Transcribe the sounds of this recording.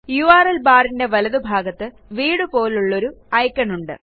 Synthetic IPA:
juaːrɐlbaːrinde̞ʋɐlɐðubʱaːɡɐt̪ːɨ | ʋiːɽupo̞ːluɭːo̞ɾuɐjkːɐɳuɳɖɨ̰

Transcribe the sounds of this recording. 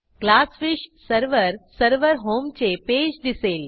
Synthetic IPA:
klasfiɕsəɾʋəɾsəɾʋəɾɦomt͡ɕeped͡ʑd̪iseːl

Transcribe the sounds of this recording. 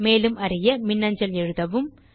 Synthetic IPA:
meːlɯmɐrɪjɐmɪnːɐɲd͡ʒɐlɛɻɯðɐʋɯm

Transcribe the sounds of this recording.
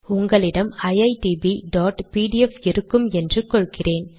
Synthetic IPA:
ʊŋɡɐɭɪɽɐmɐjɐɪʈiːbiɖaːʈpiːɽiɛfɪɾɯkːɯmɛndrɯkːɔɭkɪreːn

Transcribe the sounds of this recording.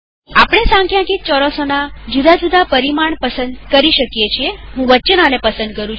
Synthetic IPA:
apɽ̃esãŋkjãkit͡ʃɔɾɔsonad͡ʒud̪ʱad͡ʒud̪ʱapəɾimaɳpəsə̃nd̪kəɾiʃəkjet͡ʃʰieɦũʋətːt͡ʃənanepəsə̃nd̪̚kəɾũ

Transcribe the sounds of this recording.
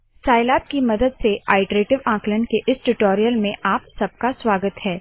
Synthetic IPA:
saːɪlaːp̚kimɐd̪əd̪sea̰ːɪʈɾeːʈɪʋãːklənkeʔɪsʈʊʈoːɾijəlmẽʔaːpsɐb̚kaswaːɡət̪ɦɛː

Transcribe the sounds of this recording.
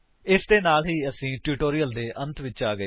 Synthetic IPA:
ɪsd̪eːnaːlɦiːəsĩːʈuːʈoːɾijəld̪eːʔə̃nt̪ʋɪt͡ʃaːɡə

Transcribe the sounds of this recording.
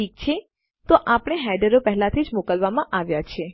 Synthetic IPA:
ik̚t͡ʃʰe | t̪oʔapəɽ̃eɦɛjɖəɾopɛɦlat̪ʰid͡ʒmokəlʋamãʔaʋjat͡ʃʰe

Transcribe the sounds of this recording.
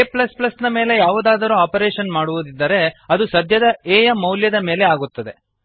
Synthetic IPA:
eːplɐsplɐsnɐme̞ːle̞jaːʋud̪aːd̪ɐɾuaːpɐɾeːʃɐnmaːɽuʋud̪id̪ːɐɾe̞ɐd̪usɐd̪ʱjɐd̪ɐeːjɐmːɐwljɐd̪ɐme̞ːle̞aːɡut̪ːɐd̪e̞

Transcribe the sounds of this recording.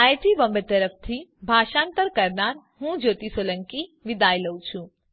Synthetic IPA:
aːjʈibəmbət̪əɾəp̚ʰt̪ʰibʱaːʃãːnt̪əɾkɐɾnaːɾɦũd͡ʒoːt̪isoːlə̃ŋkiʋɪd̪aːjləwt͡ʃʰũ

